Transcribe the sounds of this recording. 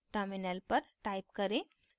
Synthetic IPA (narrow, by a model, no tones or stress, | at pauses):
ʈəɾminəlpəɾʈaːɪp̚kəɾẽ